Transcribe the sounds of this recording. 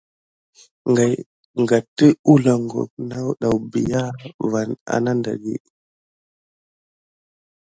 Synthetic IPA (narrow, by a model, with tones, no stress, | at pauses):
ŋɡa˨j | ŋɡa˨tə˦u˦la˨ŋɡo̰˨k̚na˦wɗa˨wbi˨ja˦va˨na̰˨na˦nda̰˨ɡḭ˦